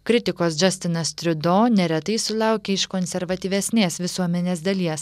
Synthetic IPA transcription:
kɾʲɪt̪ʲɪkoːs̬d͡ʒɐsʲt̪ʲɪnɐst̪ʲɾʲʊd̪oːnʲɛɾʲɛt̪ɐɪsʊlˠɑˑʊkʲeɪʃkonʲsʲɛɾʋɐt̪ʲiːʋʲɛsʲnʲeːsʋʲɪsuɔmʲɛnʲeːs̬d̪ɐlʲiɛs

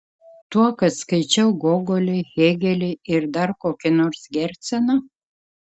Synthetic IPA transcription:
t̪uɔkɐt̪skɐɪt͡ʃʲɛʊɡoːɡolʲɛɣʲeːɡʲɛlʲɛɪɾd̪ɐɾkoːkʲɪnoːɾsɡʲɛɾʲt̪ʲsʲɛnɐ

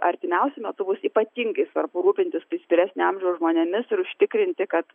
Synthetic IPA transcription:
ʔɐɾʲt̪ʲɪmʲɛʊsʲɛmʲɛt̪ʊbʊsiːpɐt̪ʲiŋɡɐɪsʋɐrpʊɾuːpʲɪnʲt̪ʲɪspʲɪsʲpʲɪɾʲæːsʲnʲɪɐmʲʒʲɛʊsʒmoːnʲɛmʲɪsɪɾʊʃʲt̪ʲɪkɾʲɪnʲt̪ʲɪkɐt̪

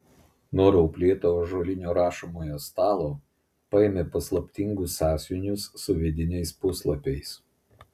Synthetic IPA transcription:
nuɔɾɐʊpʲlʲeːt̪oːʒoːlʲɪnʲoːɾɑːʃɐmoːjoːst̪ɑːlˠoː | pɐemʲepɐslˠɐpʲt̪ʲɪŋɡʊsɑːsʲjʊnʲʊsːʊʋʲɪd̪ʲɪnʲɛɪspʊslˠɐpʲɛɪs

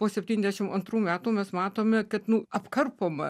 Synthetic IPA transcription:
poːsʲɛpʲt̪ʲiːnʲɛzd̪ʲæɛʃʲɪmɐnt̪ɾuːmʲæːt̪uːmʲɛsmɑːt̪oːmʲɛkɐt̪nʊɐpkɐrpoːmɐ

